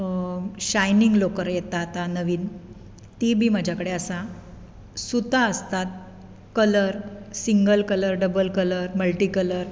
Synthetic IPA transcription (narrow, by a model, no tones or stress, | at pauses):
ɕajniŋɡlokəɾjet̪at̪anəʋiːn | t̪ibʱiːməd͡ʑʱjakəɽeəsa | sut̪aəst̪at̪̚ | kələɾsiŋɡəlkələɾɖəbəlkələɾməlʈiːkələɾ